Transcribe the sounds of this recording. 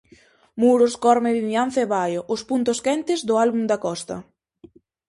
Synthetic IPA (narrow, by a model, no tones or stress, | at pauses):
muɾʊskɔɾmɪðinjan̟θeβajoʔʊspunt̪ʊskɛnt̪ɪzd̪ʊalβumd̪ɐkɔst̪ɐ̰